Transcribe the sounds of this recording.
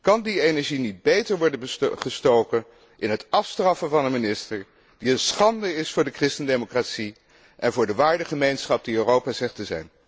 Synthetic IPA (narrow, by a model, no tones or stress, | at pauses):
kɑndienɛɹʒinit̚bejtəɹʋɔɹdəbəχəstowkən | ʔɪnɦətɑfstrɑfəvɑnənmɪnɪstəɹ | d̥iənsχɑndəɪsfʊːɹdəkrɪstəndejmokratsi | ʔɛnvʊːɹdəʋaːɹdəχəmejnsχɑp̚diørowpazɛχtəzɛ̰jn